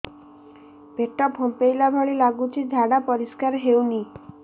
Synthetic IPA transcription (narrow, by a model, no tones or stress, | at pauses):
b̥ʱeʈɔbʱompejlabʱɔɭilaɡut͡ʃʰid̪ʱaɽapɔɾiskaɾɦewni